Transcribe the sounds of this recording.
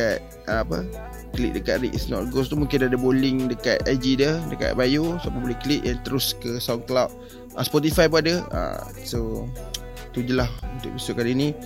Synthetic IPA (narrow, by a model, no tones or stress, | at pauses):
at̪̚ | əapə̰ | kəlḭʔ̚dəka̰ʔ̪ɾḭʔsnɔ̰ʔ̚ɡost̪umũŋkɪnadəbolɪŋdəka̰t̪̚ajd͡ʒidədəka̰t̪̚bajosapabolɛkəliʔ̪̚jaŋt̪əɾʊskəsawklat̚ | ʔaspɔt̪̬ifajpuadəa̰ | so | t̪ud͡ʒulahunt̪ʊ̰ʔ̚pisuʔ̚kaninĩ